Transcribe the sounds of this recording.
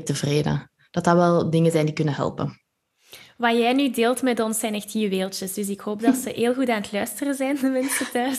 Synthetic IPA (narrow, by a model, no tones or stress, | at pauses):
təvreːdə̰ | d̥ɑtərʋɛlˠdɪŋənzɛjndikɵnənɦɛ̰lˠpə̰n | ʋaːjɛjnydeːlˠtmɛtɔnsɛjnɛxthiːʋeːlˠtəsdɵs̬ɪkhoːp̚dɑtsəɦeːlˠɣutaːnətlœɥstərəzɛjnəʋɛnstətœːs